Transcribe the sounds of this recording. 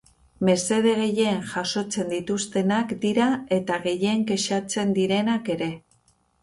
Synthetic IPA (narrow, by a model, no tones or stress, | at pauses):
me̞se̞ðe̞ɣ̞e̞je̞ŋʝaso̞t͡se̞nd̪it̪ust̪e̞nakd̪iɾae̞t̪aɣe̞je̞ŋke̞ʃat͡se̞nd̪iɾe̞nake̞ɾe̞